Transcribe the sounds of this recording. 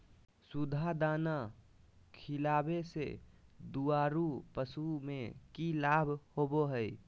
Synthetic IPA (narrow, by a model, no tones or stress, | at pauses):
sud̪ʱad̪ana | kʰilabesḛd̪uaɾupəsumekilabʱhoboɦəj